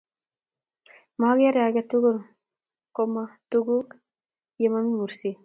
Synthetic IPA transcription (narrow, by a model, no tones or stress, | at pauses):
maɡjaɾaɡʲat̪uɡuɾ | komat̪uɡuk | jemamimuɾsi